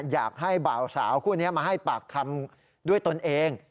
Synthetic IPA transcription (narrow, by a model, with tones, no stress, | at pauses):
jaː˨˩k̚ha˥˩jbaː˨˩wsa̰ː˩˦wkʰuː˥˩ni˦˥ɐmaː˧ɦa˥˩jpaː˨˩k̚t̪ʰa˧m | du˥˩əjt̪o˧nʔeː˧ŋ